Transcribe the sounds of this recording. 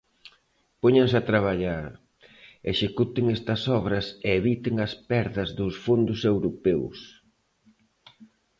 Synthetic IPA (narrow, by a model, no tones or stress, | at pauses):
poɲɐns̬ɐt̪ɾaβ̞aʎaɾ | eʃekut̪ɪŋɛst̪ɐsɔβɾɐseːβit̪ɪŋɐspɛɾðɐzðʊsfond̪ʊsewɾopɛws